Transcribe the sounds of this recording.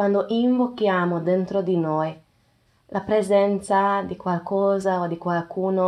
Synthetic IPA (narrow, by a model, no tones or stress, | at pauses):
wand̪oʔiɱvokːjaːmod̪ent̪ɾod̪inoj | lʔapɾɛzɛnt̪sad̪ikwalkɔːzaod̪ikwalkuːno